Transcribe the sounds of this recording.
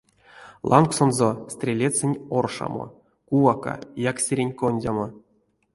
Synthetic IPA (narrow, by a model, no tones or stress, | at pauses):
lˠʔɑ̰nksonzosʲt̪ʲrʲelʲet͡sʲːɘnʲorʂa̰mo̰ | kuvaka̰jaksʲeɾʲenʲkonʲdʲamo